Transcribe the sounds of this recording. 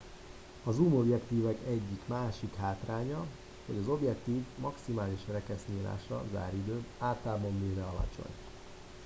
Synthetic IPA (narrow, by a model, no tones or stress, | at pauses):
ɒzuːmo̞bjɛkt̪iːvɛkɛɟːikmaːʃikɦaːt̪raːɲɒ | ho̞̰ɟɒzo̞bjɛk̚t̪iːvmɒksimaːliʃrɛkɛsniːla̰ːʃɒ̰za̰ːɾid̪øːaːt̪ːaːbo̞mbiːɾɛɒlɒ̰t͡ʃo̞̰ɲ